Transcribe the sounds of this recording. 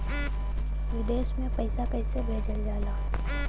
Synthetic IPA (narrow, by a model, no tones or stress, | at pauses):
ʋɪd̪eːʃmẽpɐɪsakɐɪsebʱeːd͡ʒəld͡ʒaːlaː